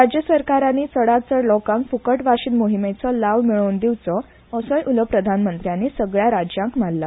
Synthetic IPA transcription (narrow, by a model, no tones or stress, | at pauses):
ɾad͡ʑjəsəɾkaɾanːiːt͡səɽat͡səɾlɔkãŋkfukəʈʋaɕiːnmoɦimet͡səlaʋmiɭownd̪iwt͡sɔ | əsəjʔuləpɾəd̪ʱanmənt̪ɾjanːiːsəɡɭjaɾad͡ʑjãŋkm̤alla